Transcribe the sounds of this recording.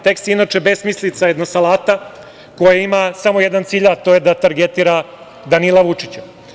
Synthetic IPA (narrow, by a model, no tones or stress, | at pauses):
t̪e̞kst̪inat͡ʃe̞be̞smislit̪sajed̪nosalaːt̪a | ko̞jaimasamo̞jed̪ant̪siːʎat̪o̞jed̪at̪aɾɡe̞t̪iɾa | d̪anilˠaʋut͡ʂit͡ɕa